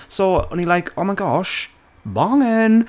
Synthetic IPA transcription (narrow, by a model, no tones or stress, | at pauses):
soʊə̰̃nilaɪkʰoʊmaɪɡɔʃ | bɔŋɪn